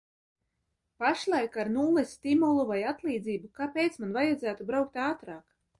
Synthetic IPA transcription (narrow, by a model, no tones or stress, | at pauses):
paʃlˠajkaɾnuːlˠɛsʲt̪ʲimulˠuvajat̪lˠiːd̪ziːbukaːpejt̪smanvajad̪zæːt̪ubɾawk̚t̪aːt̪ɾɑːk